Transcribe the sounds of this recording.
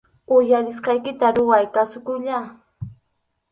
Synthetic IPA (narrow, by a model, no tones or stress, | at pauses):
ʊjaɾɪsqɑjkɪt̪aɾʊwajkasʊkʊʎa